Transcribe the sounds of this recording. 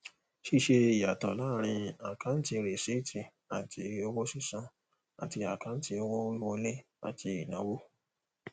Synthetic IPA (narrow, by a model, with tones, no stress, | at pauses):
ʃi˦˨ʃe˧i˨ja˨tɔ̰˨la˦ɾ̃ĩ˧a˨kã˨˦n̩˦ti˧ɾe˨se˨˦tĩ˨ | a˨tʰi˧o˧wo˦si˦˨sã˧ | a̰˨ti˧a˨kã˨˦n̩˦ti˧o˧wɔ˦wi˦wõ˧˦le˦ | a̰˨tʰi˧i˨nã̰˨˦wo˦